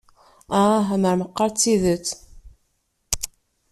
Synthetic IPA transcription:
aɦæməɾməqːɑɾˤt͡sːiðət͡sː

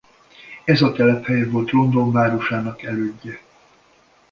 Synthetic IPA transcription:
ɛzɒt̪ɛlɛphɛjɛvo̞lt̪rond̪o̞ɱvaːɾo̞ʃaːnɒkɛløːɟːɛ

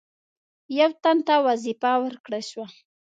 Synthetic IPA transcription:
jawt̪ant̪awazɪpawaɾkɽaʃwa

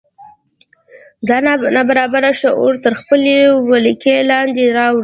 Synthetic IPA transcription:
d̪ɑnnabaɾɑbaɾaʃaʔoɾt̪əɾxpəlewaləkelɑnd̪eɾɑwɽi

